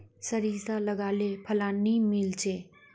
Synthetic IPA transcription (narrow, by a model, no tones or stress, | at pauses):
səɾiːzt̪aləɡaːlepʰəlaːnimɪlt͡ʃʰeː